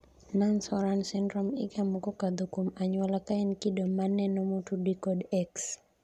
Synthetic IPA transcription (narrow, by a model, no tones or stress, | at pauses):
nansɔɾansindɾɔmḭkamukɔkad̪ukumaɲwalakainkidɔmːanɛnɔmutudikɔdɛks